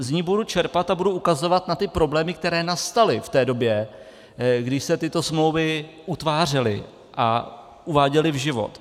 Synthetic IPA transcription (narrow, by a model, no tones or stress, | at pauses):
zɲiːbudut͡ʃɛɾpat̪abuduʔukazo̞vat̪nat̪ɪpɾo̞blɛːmɪk̚t̪ɛɾɛːnast̪alɪft̪ɛːdo̞bjɛ | ɡdɪʃsɛt̪ɪt̪o̞smlo̞wvɪ | ut̪vaːr̝ɛlɪ̰ | ʔa̰ | ʔuvaːɟɛlɪvʒɪvo̞̰t̪